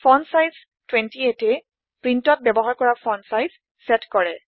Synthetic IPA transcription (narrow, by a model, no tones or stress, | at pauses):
pʰɔnsajz̥ | twɛ̃ntietɛ | pɹintɔt̚bɛbɔɦaɹkɔɹapʰɔnsajz | sɛtkɔɹɛ